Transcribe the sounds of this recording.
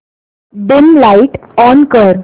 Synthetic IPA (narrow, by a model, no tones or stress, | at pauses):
ɖɪmlaiʈɔnkəɾ